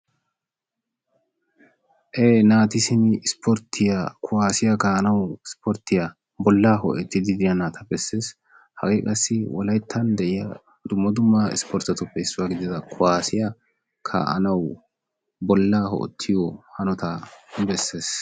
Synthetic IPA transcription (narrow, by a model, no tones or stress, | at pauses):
ʔeːnaːt̪ɪsɪnɪspɔɾt̪ʰːɪjakʰʊwaːsɪjɐkaːʔɐnɐwɪspɔɾt̪ːɪjɐ | bɔlːaːhɔ̰ʔɛt̪ːɪd̪ɪd̪ɪjɐnaːt̪ʰɐbɛsːe̞ːs | hɐ̰ɡeːkʼɐsːɪwɔlɐjt̪ʰːɐnd̪ɛʔɪjɐ | d̪ʊmːɐd̪ʊmːaɪ̰spɔɾt̪ːɐt̪ʊpːɛɪsːʊwaɡɪd̪ɪd̪ɐkʰʊwaːsɪjɐ | kʰa̰ːʔɐ̰nɐw | bɔlːaːɦɔ̰ʔɛ̰t̪ʰːɪjɔhɐnɔt̪ɐbɛsːe̞ːs